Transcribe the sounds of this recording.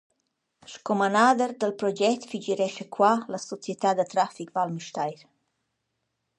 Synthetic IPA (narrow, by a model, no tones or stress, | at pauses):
ʃkomanad̪əɾd̪əlpɾod͡ʒɛt̪fid͡ʒiɾɛʃəkwaləsot͡sjət̪ad̪ət̪ɾafikvalmiʃt̪ajɾ